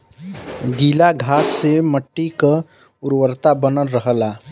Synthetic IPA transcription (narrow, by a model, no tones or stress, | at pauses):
ɡiːlaɡʱaːsːeməʈːika | ʊɾwəɾt̪abənəlɾəɦəla